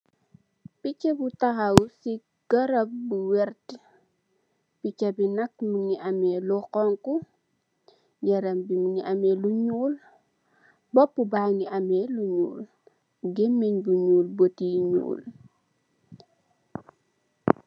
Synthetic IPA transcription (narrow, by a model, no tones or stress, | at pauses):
pit͡ʃebutaxawsi | ɡ̥ɐɾɐp̚buwɛɾt | pit͡ʃabinak̚muniʔamɛlukɔŋku | ɟɐɾɐmbimuniʔameluɲuːl | bɔpːubaŋiameluɲṵːl | ɡemːiɲbuɲuːlbotiɲṵːl